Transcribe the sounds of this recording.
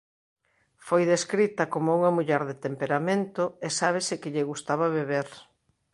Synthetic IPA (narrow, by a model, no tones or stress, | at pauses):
fojðeskɾit̪ɐkomʊuŋɐmuʎɛɾðet̪empeɾamẽnt̪ʊesaβ̞ɪsɪkɪʎɪɣust̪aβɐβeβeɾ